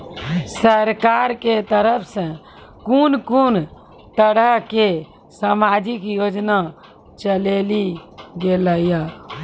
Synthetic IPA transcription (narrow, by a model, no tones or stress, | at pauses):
səɾkaɾket̪əɾəpʰsə̃ | kunkun | t̪əɽəɦke | samaːd͡ʒɪkjoːd͡ʒna | t͡ʃəleliɡeləija